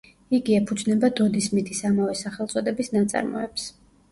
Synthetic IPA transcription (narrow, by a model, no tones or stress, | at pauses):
iɡiɛpʰud̪znɛbad̪ɔd̪ismit̪ʰisamavɛsaχɛlˠt̪sʼɔd̪ɛbisnat̪sʼa̰ɾmɔ̰ɛps